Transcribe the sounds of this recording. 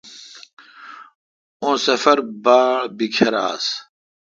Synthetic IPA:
õːsɐfɐɾbaːbikʰɐɾa̰ːs

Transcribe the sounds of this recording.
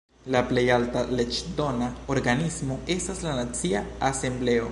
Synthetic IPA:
laple̞jaltale̞d͡ʒdo̞naoɾɡanismo̞e̞staslanat͡siaase̞mble̞o̞

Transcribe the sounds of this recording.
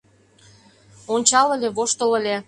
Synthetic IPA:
onʲt͡ɕɑlə̆lʲeβoʃt̪ələ̆lʲe

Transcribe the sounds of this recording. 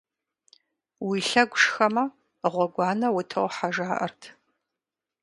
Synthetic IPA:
wiɬɐɡʷʊʂxɐmɐ | ʁʷɔɡʷɑːnɐwʊtʰɨwħaʒaːʔɐ̰rtʰ

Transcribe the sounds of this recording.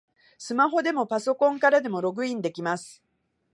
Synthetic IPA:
sɨmaɦo̞d̪e̞mo̞paso̞kõ̞ŋkaɾad̪e̞mo̞ɾo̞ɡɯ̟ĩnd̪e̞kʲimasɨ̥

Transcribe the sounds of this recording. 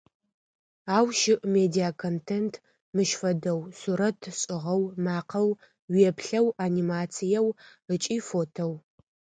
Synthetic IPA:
aːwʃɪʔmeːdiakʰontʰeːntʰ | mɨʃfɐdɐwsuɾɐtʰɕʼɪʁɐwmaːqʰɐw | wiɛpʰɬɐwanimaːt͡sʰijɛwət͡ʃʼiːfoːtʰow

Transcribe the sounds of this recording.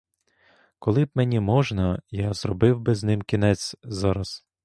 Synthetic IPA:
kɔlˠɪb̚menʲimɔʒnɐjazrɔbɪwbɪznɪmkʲinɛt͡sʲzɑɾɐs

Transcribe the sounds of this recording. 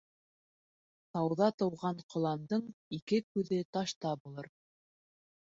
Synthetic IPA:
t̪ɑwðɑt̪ɤ̆wʁɑɴqʰŏlˠɑnd̪ɤɴikɘkʉðɘt̪ɑʃt̪ɑbulˠɤɾ

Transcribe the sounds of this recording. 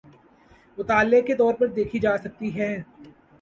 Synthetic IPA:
mʊt̪aːlːeket̪ɔːɾpɐɾd̪eːkʰid͡ʒaːsɐk̚t̪iɦɛ̃ː

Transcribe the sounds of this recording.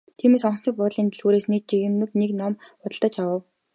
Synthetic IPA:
t̪ʰiːmeːsɔnsnĭːk̚pʊt̪ɮiːnt̪ʰɘ̆ɮxuːɾeːsnik̚t͡ɕiɣɘ̆mɘ̆t̪neknɔmpʊt̪ə̆ɮt̪ə̆t͡ɕawə̆w

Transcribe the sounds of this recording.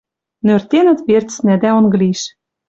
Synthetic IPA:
nørt̪enɘ̆t̪βert͡snæd̪æonɡɤ̆liʃ

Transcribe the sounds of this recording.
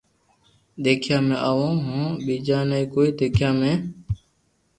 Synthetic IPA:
ɗ̪eːkʰjãːmẽːʔaːʋõːɦõːɓiːd͡ʒãːnəĩːkoːiːd̪eːkʰjãːmẽː

